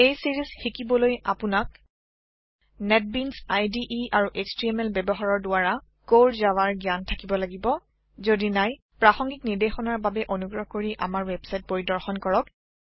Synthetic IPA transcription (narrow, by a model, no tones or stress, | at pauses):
ejsiɹisxikibɔloja̰pʊnak | nɛt̚binsajdiʔiaɹuʔekstɹiɛmɛlbɛbɔɦaɹɔɹdʊaɹa | koɹzawaɹɡjantʰakibɔlaɡibɔ | zodinaj | pɹaxɔŋɡikniɹdexɔnaɹbabɛʔonuɡɹɔɦkoɹiʔa̰maɹwɛbsajt̚boɹidɔɹxɔnkɔɹɔk̚